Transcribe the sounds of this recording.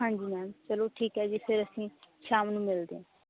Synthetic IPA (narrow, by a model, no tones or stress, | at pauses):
ãɳd͡ʒiːmɛːnt͡ʃəloːʈʰiːkɦɛːd͡ʒiːpʰɪɾəsĩːʃaːmnũːmɪld̪ḛːɛ̃ː